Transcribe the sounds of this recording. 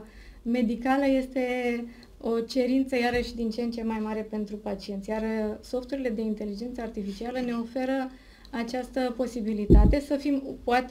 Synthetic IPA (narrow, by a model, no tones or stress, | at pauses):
me̞d̪ikaləje̞st̪e̞ | o̞t͡ʃe̞ɾint̪səjaɾəʃd̪int͡ʃent͡ʃe̞majmaɾe̞pe̞nt̪ɾupat͡ʃie̞nt̪sʲjarso̞ft̪uɾile̞d̪e̞int̪e̞lid͡ʒe̞nt̪səart̪ifit͡ʃialəne̞o̞fe̞ɾə | at͡ʃast̪əpo̞sibilit̪at̪e̞səfimpoat̪